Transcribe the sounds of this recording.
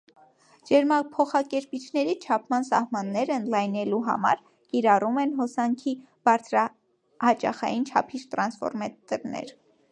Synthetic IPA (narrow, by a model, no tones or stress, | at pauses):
d͡ʒɛɾmɑpʰɔχɑkɛɾpit͡ʃʰnɛɾit͡ʃʰɑpʰmɑnsɑ̰hmɑnːɛɾəənd̪lɑjnɛluɦɑ̰mɑ̰ɾ | kiɾɑrumɛnɦɔsɑŋkʰi | b̥ɑɾt͡sʰɾɑ | hɑt͡ʃɑ̰χɑ̰jint͡ʃʰɑ̰pʰiɾt̪ɾɑnsfɔ̰ɾmɛt̪əɾnɛ̰ɾ